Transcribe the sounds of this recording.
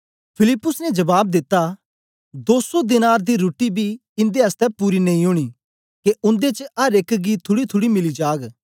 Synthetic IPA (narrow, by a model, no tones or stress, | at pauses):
pʰɪlɪpːʊsnɛd͡ʒɐbaːb̚d̪ɪt̪ːa | d̪oːsod̪ɪnaːɾd̪iɾoːʈibʱi | ɪ̃nd̪eɐst̪ɛpuːɾinɐ̃ĩɦʊɽ̃iː | keʊ̃nd̪et͡ʃəɐɾeːkɡiːt̪ʰːʊɽit̪ʰʊɽimɪlid͡ʒaːɡ